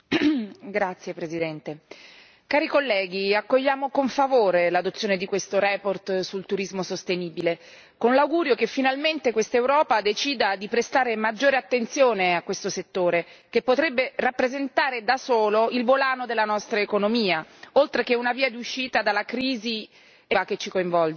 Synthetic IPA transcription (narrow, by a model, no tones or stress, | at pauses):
ɡɾat̪sːjepɾezid̪ɛnt̪e | kaːɾikolːɛːɡiakːoʎːaːmokoɱfavoːɾelad̪ot̪sjoːned̪ikwest̪oɾɛːport̪sult̪uɾizmosost̪eniːbile | konlawɡuːɾjokefːinalment̪ekwest̪aewɾɔːpad̪et͡ʃiːd̪ad̪ipɾest̪aːɾemad͡ʒːoːɾeat̪ːent̪sjoːneakwest̪oset̪ːoːɾe | k̟epːot̪ɾɛbːerapːɾezent̪aːɾed̪asoːloilvolaːnod̪elːanɔst̪ɾaekonomiːaolt̪ɾekeunaviːad̪iuʃːiːt̪ad̪alːakɾiːzi | aket͡ʃːikoiɱvɔld͡ʒ